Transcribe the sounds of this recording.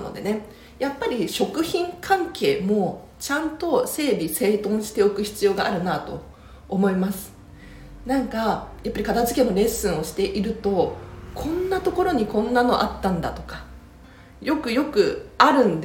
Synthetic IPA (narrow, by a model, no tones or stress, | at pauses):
no̰d̪e̞ne̞ | japːaɾʲiɕo̞kɯ̟çĩŋkʰãŋke̞ːmo̞ | t͡ɕãnt̪o̞se̞ːbʲise̞ːt̪õ̞ɰ̃ɕi̥t̪e̞okɯ̟çi̥t͡sɨjo̞ːɡaʔaɾɯ̟nat̪o̞̰ː | mo̞imasɨ̥ | nãŋkajapːaɾʲikat̪azɨkẽ̞nːoɾe̞sɨ̃ɰ̃o̞ɕi̥t̪e̞ʔiɾɯ̟t̪o̞kʰõ̞nːat̪o̞ko̞ɾo̞ɲ̟ikõ̞nːano̞ʔat̪ːãnd̪a̰t̪o̞kḁ | jo̞kɯ̟jo̞kɯ̟aɾɯ̟̃nd̪